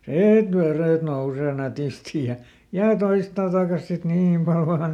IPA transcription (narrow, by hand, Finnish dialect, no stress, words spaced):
siːt ʋereˑt nouseː nætisti jɑ jɑ toistɑ tɑˑkɑs sit niːm pɑl ʋɑːn